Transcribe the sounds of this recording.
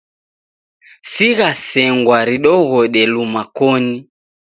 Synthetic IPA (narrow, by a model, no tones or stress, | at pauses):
siɣasɛŋɡwaɾiɗɔɣɔɗɛlumakɔni